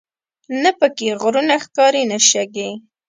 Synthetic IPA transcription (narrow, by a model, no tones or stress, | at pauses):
napəkeɣɾunaxkɑɾinaʃaɡe